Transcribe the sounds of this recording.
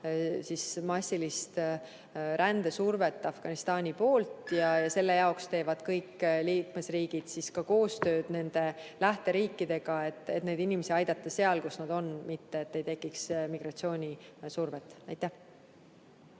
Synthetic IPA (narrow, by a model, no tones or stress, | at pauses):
sismɑsʲːilist̪ | ɾænd̪̥e̞surve̞t̪ˑːɑfɡ̥ɑnist̪ɑːnʲipo̞ːlt̪jɑjɑse̞lːe̞jɑokst̪e̞ːvɑd̪̥kɤjkːliːkme̞sriːɡ̥id̪̥siskɑko̞ːst̪ø̞ːd̪̥ne̞nd̪̥e̞læht̪e̞ɾiːkːˑid̪e̞ɡ̥ɑe̞t̪ːˑe̞t̪ne̞d̪inʲime̞siɑjd̪̥ɑt̪ˑːɑse̞ɑlkusnɑd̪̥o̞nmit̪ːe̞et̪ːe̞jt̪e̞kːˑiksmiɡ̥rɑt̪sio̞ːnʲisurvet̪ːˑɑjt̪ˑːæh